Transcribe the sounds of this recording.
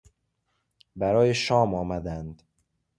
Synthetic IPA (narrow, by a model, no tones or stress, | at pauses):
bæɾɒːjeʃɒːmɒːmæd̪ænd̪